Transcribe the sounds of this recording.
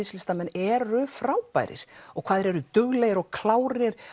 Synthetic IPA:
ɪslɪst̪amɛnːɛɾʏfɾawpa̰jɾɪ̰ɾ̥ɔɣkʰv̥aːðɪɾɛɾʏt̪ʏɣlɛjɣɪɾɔɣkʰlaːwɾɪɾ̥

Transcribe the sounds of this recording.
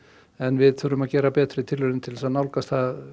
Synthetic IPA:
ɛnvɪðθʰʏɾʏmaðcɛːɾapɛːt̪ɾɪt̪ʰɪlvʏɾɪnt̪ʰɪlɛsanawlkast̪θað

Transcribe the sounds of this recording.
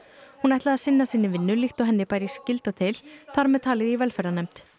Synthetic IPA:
hunɛht̪laðaðsɪnːasiːnːɪvɪnːʏlixt̪ɔɦɛnːɪpaːjɾɛscɪlt̪at̪ʰɪlθaɾmɛðt̪ʰaːlɪðivɛlfɛɾanɛmt̪

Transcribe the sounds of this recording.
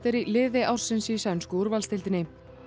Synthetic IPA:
t̪ɪɾilɪːðɪʔawr̥sɪnsisɛnskʏuɾvalst̪ɪlt̪ɪnɪ

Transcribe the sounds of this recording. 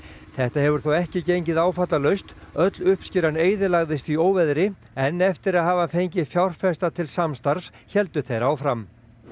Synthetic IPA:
θɛht̪aɦɛvʏɾ̥θowɛhcɪcejɲcɪðaːwfat̪lalœɥst̪œt̪lʏhpscɪɾaneːjðɪlaɣðɪst̪ioːwvɛðɾɪ | ɛnːɛft̪ɪɾaðɦaːvafejɲcɪfjawr̥fɛst̪at̪ʰɪlsamst̪aɾ̥s | çɛlt̪ʏθejɾaːwfɾam

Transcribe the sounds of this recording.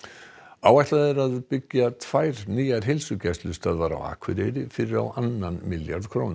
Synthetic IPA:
awajht̪laðɛɾaðpʏcːat̪ʰv̥aːjɾniːjaɾ̥ɦɪlsʏcɛst̪lʏst̪aðvaɾa̰wa̰ːkʰvɪɾejɾɪfɪɾɪɾa̰wʔanːanmɪljaɾð̥kʰɾoːwnʏ̥

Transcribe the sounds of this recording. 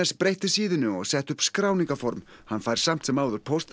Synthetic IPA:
ɛspɾejht̪ɪ̥siːðɪnʏɔɣsɛht̪ʏhpskɾaːwniŋkafɔɾmhanfaːjɾ̥sam̥t̪sɛmaːwðʏɾ̥pʰowst̪

